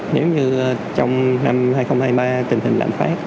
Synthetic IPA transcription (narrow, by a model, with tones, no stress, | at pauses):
ne˨˦wɲɨ˧ | t͡ɕɔ˧wŋ͡mna˧mhaː˧jxə˧wŋ͡mhaː˧jɓaː˧t̪ï˨˩ŋ̟ɦï˨˩ŋ̟la̰ː˧˨mfa̰ː˦˥t̚